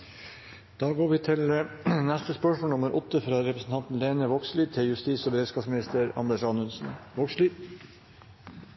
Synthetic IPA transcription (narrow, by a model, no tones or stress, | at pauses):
d̪̥ɑːɡoːɾʋɪːt̪ʰɪlnæst̪əspœʂmɔːnʊməɾʔɔt̪ːəfɾɑːɾɛpɾəsn̩t̪ʰɑnt̪n̩leːnəʋokslyːt̪ʰɪljʉst̪iːsɔːbəɾeːd̪skɑːpsmɪnɪst̪əɾɑ̰nd̪ɛʂɑnʉnsnʋoksliːd̪